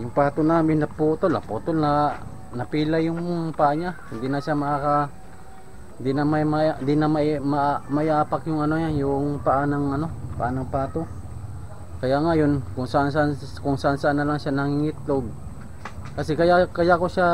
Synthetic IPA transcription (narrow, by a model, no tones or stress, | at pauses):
jʊŋpaːt̪onaːmɪnːɐpoːt̪olɐ̰poːt̪olna | nɐpilajʊŋŋpaʔaɲa | ɪnd̪inaʃamɐkaka | nd̪ɪnamajmad̪ɪnamamamaʔɪʔaːpakjʊŋɐnojanjʊŋpaʔanaŋʔɐno̞pa̰ʔanɐŋpaːt̪o | kɐjaʔŋajonkʊŋsaʔans̬aʔan | kʊŋsaʔansaʔanːɐlaŋʃanɐŋɪŋɪt̪̚loɡ̚ | kɐsɛkɐjakajakoʃa